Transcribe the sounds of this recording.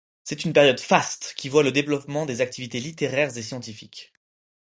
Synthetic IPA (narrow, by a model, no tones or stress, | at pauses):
sɛt̪ynpɛʁjɔd̪fast̪kʲivwaləd̪evlɔpmɑ̃d̪ezak̚t̪ivit̪elit̪eʁɛʁzesjɑ̃t̪ifikʲ